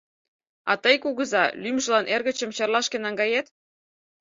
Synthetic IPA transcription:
ɑ̰t̪əjkuɣə̆zɑlymʒə̆lɑnʔerɣə̆t͡ɕə̆mt͡ɕɑrlɑʃkĕnɑŋɡɑjet̪

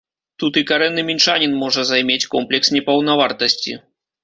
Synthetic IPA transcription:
t̪ut̪ɨkaɾɛnːɨmʲint͡ʂanʲinmɔʐɐzajmʲet͡sʲkɔmplʲɛksnʲɛpɐwnavart̪ɐsʲt͡sʲḭ

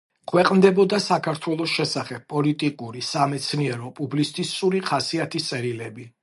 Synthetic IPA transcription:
kʰwɛqʼmd̪ɛbɔd̪asakʰaɾt̪ʰwɛlˠɔsʃɛsaχɛb̥̚pʼɔlit̪ʼikʼuɾisamɛt̪sʰniɛɾɔpʼublist̪ʼisuɾiχasiat̪ʰist̪sʼɛɾilɛbi

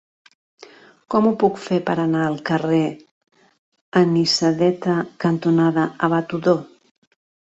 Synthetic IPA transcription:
kɔmupukfepəɾənaəlˠkəre | ənisəðɛt̪əkənt̪unaðəəβat̪uðo

